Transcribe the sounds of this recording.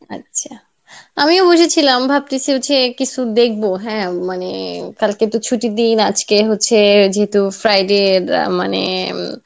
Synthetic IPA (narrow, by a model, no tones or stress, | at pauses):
a̰tːɕʰa | amiobod͡ʑʱet͡ɕʰilambʱap̚ʈiseot͡ɕʰekit͡ɕʰud̪ek̚ʰboɦɛ̃manḛkalket̪ut͡ɕʰuʈid̪inad͡ʑkeɦotːɕʰed͡ʑeɦet̪ufɾajɖeɾma̰nḛ